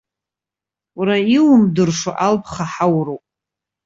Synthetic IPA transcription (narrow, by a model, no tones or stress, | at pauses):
wɾaiwmdɨrʂoʔalpʰχaħawrowpʼ